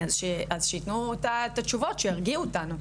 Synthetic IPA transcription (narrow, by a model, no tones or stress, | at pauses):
azʃeʔazʃejit̪nut̪at̪at͡ʃuvot̪ʃeaʁɡiuot̪ano